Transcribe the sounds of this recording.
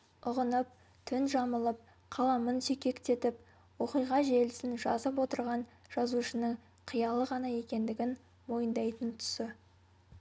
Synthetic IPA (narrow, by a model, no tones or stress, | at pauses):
ʊʁənəp̚ | t̪ʰʏnʒɑməlˠəp̚ | qʰɑlˠɑmənsekʲʰe̞kt̪e̞t̪ɪp̚ | wo̞qijʁɑʒe̞lɪsɪnʒɑzəpwo̞t̪əɾʁɑnʒ̥ɑzuʃənəɴ | qʰijɑlˠəʁɑnɑje̞kʲe̞nd̪ɪɡʲɪn | mo̞jənd̪ɑjt̪ənt̪ʰʏ̥sɪ